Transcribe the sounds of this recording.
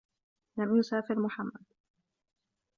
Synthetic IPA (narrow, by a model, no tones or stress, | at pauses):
lamjʊsaːfɪɾmʊħamːad̪